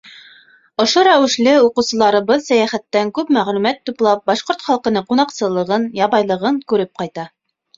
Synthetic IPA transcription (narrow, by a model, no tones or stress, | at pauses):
ŏʃoɾæwɘ̆ʃlɘuqɤ̆wsɤ̆lˠɑɾɤbɤlˠsæjæχæt̪ːæŋkʉpmæʁlʉmæt̪ːuplˠɑp̚bɑʃqoɾt̪χɑlˠqɤ̆nɤɴqunɑqsɤ̆lˠɤ̆ʁɤnjɑβɑjlˠɤ̆ʁɤɴkʉɾɘp̚qɑjt̪ɑ